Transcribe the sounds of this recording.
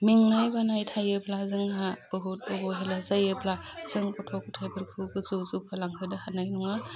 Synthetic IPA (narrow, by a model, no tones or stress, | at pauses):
miŋnajbanajtʰajɯblazɯŋhab̥ɯɦut̚obɔɦelazajɯblaz̥ɯŋpʰɔtʰɔkutʰajbɯɾkʰɯɡɯzuzupʰalaŋkʰɯnɯhanajnuŋa